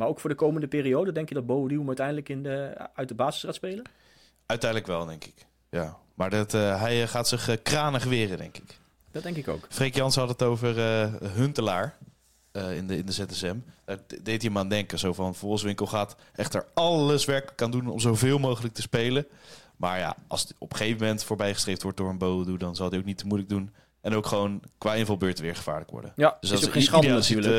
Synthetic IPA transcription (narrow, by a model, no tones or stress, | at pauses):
maːɹowkfʊːɹdəkowməndəpɪːrijowdədɛŋkjədɑt̚bowvəliwəmœɥtɛjndələkɪnəœɥt̚dəbaːzə̥sraːtspejlə | œɥtɛjndələkʋɛlˠdɛŋkɪ̥k | jaːmaːɹdɑtɦɛjχaːtsɪχkraːnəχʋɪːrədɛŋkɪ̥k | d̥ɔdɛŋkɪko̰wkfrejkjɑnsəɦɑtətowvərəɦɵntəlaːɹ | ɪnɪndəzɛtɛsɛmdadejtiəmaːndɛŋkəzowvɑnvɔχsʋɪŋkəlˠχaːt | ɛχtə̰ɹɑləsʋɛɹkələkːaːndunɔ̰mzowvɪːlˠmowχələk̚təspejlə | ma̰ːɹja̰ʔɑ̰lˠsiɔpə̥χejvəmɛntfʊːɹbɛjχəstrejftʋɔɹt̚dʊːɹənbowldudɑnzɑlˠdiowk̚nitəmujlək̚dun | ɛnowkχəʋownkʋaːejnvɑlˠbøːɹtəʋɪːɹχə̥v̥a̰ːɹləkʋɔ̰ɹdə̰nd̥øsdɑtsɑl